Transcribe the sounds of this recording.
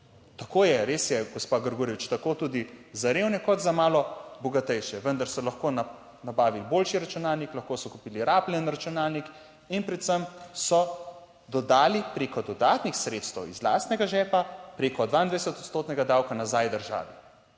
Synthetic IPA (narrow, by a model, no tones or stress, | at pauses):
t̪akoːjɛɾesjɛɡɔspaɡəɾɡuːɾjɛʋit͡ʃt̪akoːt̪uːd̪izaɾeːwnɛkɔt̪zamaːlɔbɔɡat̪ɛjʃɛʋənd̪aɾsɔlaxkona | nabaːʋiliboːlʃiɾat͡ʃunaːlniklɐxkosɔkupiːliɾaːplɛnɾat͡ʃunaːlnik | inpɾɛt̪səmsɔ | d̪ɔd̪aːlipɾeːkɔd̪ɔd̪aːt̪nixsɾet̪st̪ɛwḭzla̰ːst̪nɛɡaʒɛːpapɾeːkɔd̪ʋaːind̪ʋajsɛt̪ɔt̪st̪oːt̪nɛɡad̪awkanazajd̪əɾʒa̰ːʋi